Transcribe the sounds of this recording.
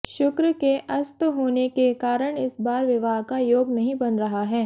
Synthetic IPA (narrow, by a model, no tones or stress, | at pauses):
ʃʊkɾkeʔɐst̪ɦoːnekekaːɾəɽ̃ɪsbaːɾʋɪʋaːɦkajoːɡnɐɦĩbɐnɾɐɦaɦɛː